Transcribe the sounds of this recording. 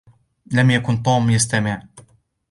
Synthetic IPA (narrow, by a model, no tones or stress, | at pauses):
lamjakʊnt̪ˤoːmjast̪amɪʕ